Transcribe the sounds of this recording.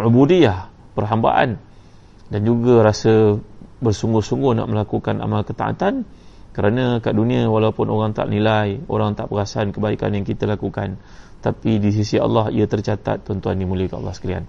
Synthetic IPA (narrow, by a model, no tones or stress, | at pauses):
ʕubudiah | pərɦamba̰ʔa̰n | dand͡ʒuɡaɾasəbərsuŋɡʊhsuŋɡʊhna̰ʔməlakukanʔa̰malkət̪aʔa̰t̪an | kəɾanãkaʔdunĩawalapʊnoɾaŋt̪a̰ʔnilajo̰ɾaŋt̪aʔpəɾasaankəbaika̰njaŋkit̪alakuka̰n | t̪apidis̬isia̰lːɑɦḭat̪ərt͡ʃat̪a̰t̪ːɔnt̪uandimuliəkaʔa̰lːɑhsə̥kalia̰n